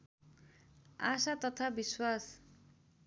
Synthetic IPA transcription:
asat̪ʌt̪ʰabiswas

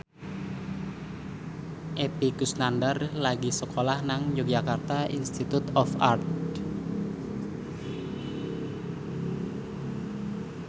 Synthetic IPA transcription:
ʔepikusnandərlaɡisəkʰolahnaŋjuk̚d͡ʒakart̪aʔinst̪it̪ut̪ɔfa̰rt̪

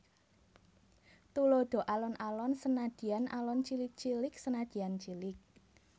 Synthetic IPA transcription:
t̪uloɖ̪̥o̤ʔalɔnʔalɔnsənad̪̥i̤anʔa̰lɔnt͡ʃilɪk̚t͡ʃilɪk̚sənad̪̥i̤ant͡ʃilɪk̚

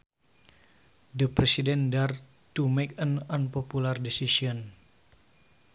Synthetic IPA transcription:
dəpɾɛsidɛndar | t̪umɛkənanpopulardɛsisiɔn

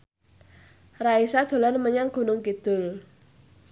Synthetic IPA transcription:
raisad̪̥o̤lanməɲaŋɡ̥o̤nʊŋkid̪̥ʊ̤l

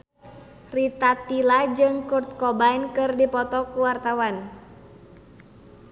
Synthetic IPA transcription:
rit̪at̪ilad͡ʒɨŋkurt̪̚kɔbainkɨrdipɔt̪ɔkuwart̪awan

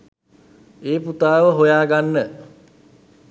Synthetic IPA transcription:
eːput̪aːʋəɦojaːɡanːə

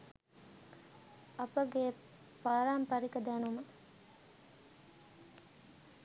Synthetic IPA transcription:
ɐpəɡe | paːɾaːmpaɾikəd̪ænumə

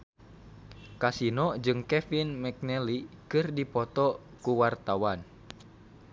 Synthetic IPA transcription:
kasinɔd͡ʒɨŋkɛfinmɛk̚nɛlikɨrdipɔt̪ɔ | kuwart̪awan

